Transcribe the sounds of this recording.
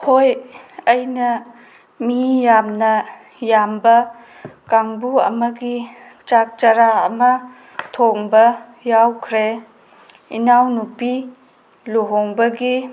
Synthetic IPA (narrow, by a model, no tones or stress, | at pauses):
hojɐjnɐ | mijamnɐ | jambɐ | kaŋbuɐ̰mɐɡi | t͡ʃak̚t͡ʃaɾaɐmɐ | tʰoŋbɐ | jawkʰɾe | ḭnawnupi | luɦoŋbɐɡi